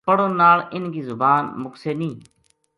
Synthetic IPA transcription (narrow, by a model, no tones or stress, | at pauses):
pəɽõːnaːɭɪnɡiːzʊbaːnmʊkseːnĩː